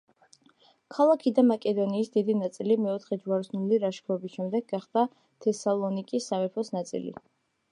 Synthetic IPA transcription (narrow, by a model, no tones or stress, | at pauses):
kʰalˠakʰid̪amakʼɛd̪ɔniːsd̪id̪inat̪sʼilimɛɔt̪ʰχɛd͡ʒvaɾsnuliɾaʃkʰɾɔbisʃɛmd̪ɛɡ̚ɡaχd̪a | t̪ʰɛsalˠɔnikʼisːamɛpʰɔsnat̪sʼḭlḭ